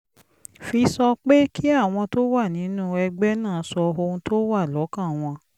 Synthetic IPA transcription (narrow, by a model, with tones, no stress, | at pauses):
fi˧sɔ˧k͡pe˦ki˦a˦˨w̃ɔ̃˧to˦wa˦˨nĩ˨˦nũ˦ɛ˧ɡ͡bɛ˦nãː˦˨˦sɔ˧o˧ũ˧to˦wa˦˨lɔ˨˦kã˦˨w̃ɔ̃˧